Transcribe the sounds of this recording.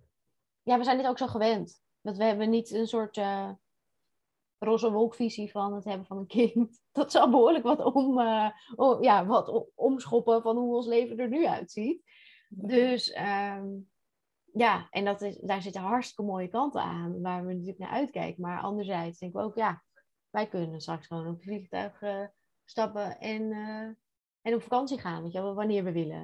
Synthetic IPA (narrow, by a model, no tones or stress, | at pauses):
jaːʋəzɛjndɪtowksoχəʋɛnt | ʋɑntʋəɦɛbənitənsʊːɹtə | rɔsəʋɔlˠkfizifɑnətɦɛbəvɑnənkɪnt | d̥ɑtsɑlˠbəɦʊːɹləkʋɑtməjaːʋɑtɔmsχɔpəvɑnɦuonslejvəndəɹnyœ̰ɥtsit | døsə | jaːʔɛ̰ndɑtɪdaːɹzɪtəɦɑɹtstɪkəmoːjəkɑnta̰ːnʋaːɹʋənatyːləkna̰ːʔœ̰ɥtkɛ̰jkəmaːɹʔɑ̰ndəɹzɛjtsd̥ɛŋkɪkowkja | ʋɛjkɵnənstrɑksχəʋownɔpəfliχtœ̰ɥχə | stɑpəɛnə | ʔɛnɔpfakɑnsiχaːnʋet͡ʃʋɛlˠʋanɪːɹʋəʋɪlə̰